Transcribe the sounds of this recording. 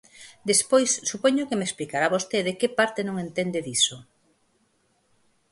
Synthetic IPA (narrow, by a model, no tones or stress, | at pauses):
d̪espojsːupoɲokemesplikaɾaβost̪eðekepaɾt̪enõŋent̪end̪eðiso